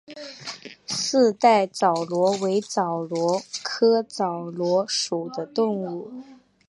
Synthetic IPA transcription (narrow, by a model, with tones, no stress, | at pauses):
sɹ̩˥˧t̪a˥˩ɪt͡sɑ˨˩ʊlwɔ˧˥we˧˥ɪt͡sɑ˨˩ʊlwɔ˧˥kʰɤ˥t͡sɑ˨˩ʊlwɔ˧˥ʂu˨˩d̪ə˦t̪ʊ˥˧ŋu˥˩